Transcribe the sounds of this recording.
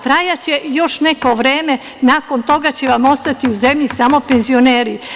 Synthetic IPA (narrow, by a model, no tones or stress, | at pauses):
t̪ɾajat͡ɕe̞jo̞ʃne̞ko̞ʋɾeːme̞ | naːko̞nt̪o̞ɡat͡ɕe̞ʋamo̞st̪at̪iuze̞mʎisamo̞pe̞nzio̞neːɾi